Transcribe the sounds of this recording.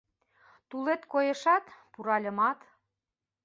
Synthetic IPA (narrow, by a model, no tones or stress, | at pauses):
t̪ulet̪kojĕʃɑt̪puɾɑlʲə̆mɑt̪